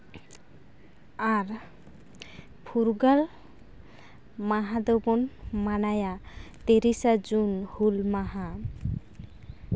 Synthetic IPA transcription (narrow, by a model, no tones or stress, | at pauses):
aɾ | pʰuɾɡal | maɦad̪obɔnmanajat̪eɾisad͡zunhulmaɦa